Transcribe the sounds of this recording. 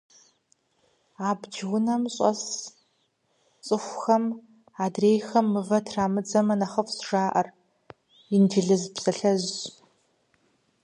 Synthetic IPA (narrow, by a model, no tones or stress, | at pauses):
aːbd͡ʒwʊnɐmɕʼɐ̰s | t͡sʼɨxʷxɐm | aːdreːjxɐmːɨvɐtʰraːmɨd͡zɐmɐnɐχɐfsʐaːʔɐr | indiɮɨzpsɐɬɐz